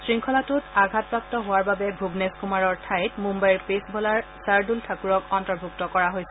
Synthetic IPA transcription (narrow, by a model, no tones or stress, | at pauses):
sɹiŋkʰɔlatʊtaɡʱat̚pɹak̚tɔɦowaɹbabɛbʱubneskumaɹɔɹtʰajtmumbajɹpesbʱɔlaɹsaɹdultʰakuɹɔkɔntɔɹbʱuk̚tɔkɔɹaɦojsɛ